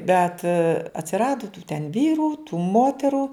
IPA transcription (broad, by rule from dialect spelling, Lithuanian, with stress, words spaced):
bʲɛt ɐtʲsʲɪˈrɑːdʊ tuː tʲɛn ˈʋʲiːruː tuː ˈmoːtʲɛrʊ